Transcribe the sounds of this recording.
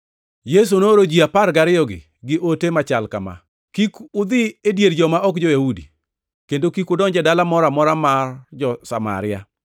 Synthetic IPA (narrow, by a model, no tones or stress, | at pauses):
jes̬unoɾod͡ʒiapaɾɡaɾɪjɔɡɪ̰ | ɡɪʔotemat͡ʃalkama̰ | kikʊd̪ɪedjeɾd͡ʒɔmaɔkd͡ʒɔjahudḭ | kendokikʊdɔɲd͡ʒɛdalamɔɾamɔɾamard͡ʒɔsa̰ma̰ɾɪa